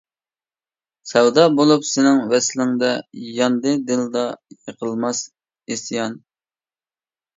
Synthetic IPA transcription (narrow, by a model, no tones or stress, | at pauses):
sɛwd̪ɑbolˠupsɪnɪŋvɛslɪŋd̪ɛjɑnd̪ɨd̪ɨld̪ɑjəqʰəlˠmɑs | est̪jɑn